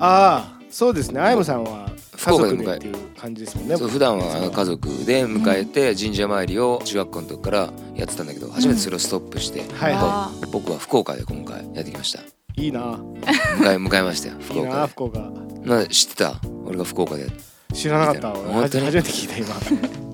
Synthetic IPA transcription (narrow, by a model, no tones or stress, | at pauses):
a | so̞ːd̪esɨneaimɯsãɰ̃βa | ɸɯ̥kokːkad̪emɯkaeekʰãɲ̟d͡ʑid̪esɨ̥monːesoɸɯ̟d̪ãɰ̃aokazo̞kɯ̟̰d̪e̞mɯ̟kae̞t̪e̞d͡ʑĩɲ̟d͡ʑamaiɾʲio̞t͡ɕiɡakːonot̪okkːaɾa̰ | ja̰t̪ːet̪ãnd̪ake̞d̪o̞̰had͡ʑʑimet̪eso̞ɾe̞osɨ̥t̪opːɯ̟ɕi̥t̪e̞̰hat̪obo̞kɯ̟βaɸɯ̟̥ko̞ːka̰d̪e̞̰kõ̞ŋka̰ḭja̰t̪ːekʲimaɕi̥t̪ḁ̰ | iːnamɯkaemɯ̟kaemaɕi̥t̪a̰joɸɯ̥ko̞ːaɯ̥koːkanaeɕi̥t̪ːet̪a̰o̞̰ɾeɡaɸɯ̟̥ko̞ːkad̪e̞̰t̪ː | ɕiɾanakat̪ːaohõnt̪oɲiaimet̪ekʲi̥t̪aima